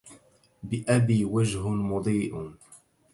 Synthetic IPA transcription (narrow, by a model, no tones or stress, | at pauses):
bɪʔabiːwad͡ʒɦʊmʊd̪ˤiːʔ